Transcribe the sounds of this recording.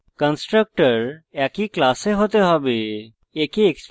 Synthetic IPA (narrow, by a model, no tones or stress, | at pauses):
kə̃nsʈɾək̚ʈəɾakiklaːseɦot̪eɦɔ̃bi | ekieks